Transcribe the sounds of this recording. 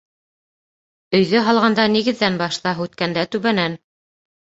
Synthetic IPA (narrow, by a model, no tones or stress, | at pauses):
ɵ̆jðɵɦɑlˠʁɑnd̪ɑniɣɘ̆ðːænbɑʃt̪ɑɦʉt̪kænd̪æt̪ʉβænæn